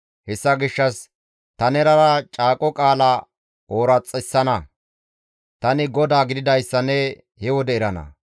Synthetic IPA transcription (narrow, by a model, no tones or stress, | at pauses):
hɛsːɐɡɪʃːɐs | t̪ɐnɛɾɐɾɐt͡ʃʼaːkʼɔkʼaːlɐ | oːɾɐt͡sʼːɛsːɐnɐ | t̪ɐnɪɡɔd̪aːɡɪd̪ɪd̪ɐjsːɐnɛ | hɛwɔd̪ɛɪɾɐnɐ̰